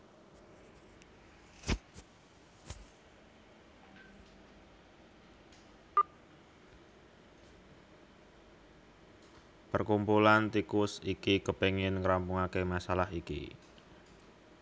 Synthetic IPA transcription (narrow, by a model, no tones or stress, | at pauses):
pərkumpulant̪ikʊsikiɡəpeŋɪnŋɾampuŋakemasalaɦikḭ